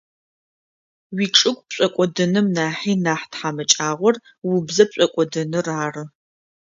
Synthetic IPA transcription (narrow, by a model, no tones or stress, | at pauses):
wiːʈ͡ʂʼɨkʷpɕʷʼɐkʷʼɔdɨnɨmnaːħiːnaːħtħamɐt͡ʃʼaːʁʷɔr | wʊbzɐp̚ɕʷʼɔkʷʼɔdɨnɨraːrɨ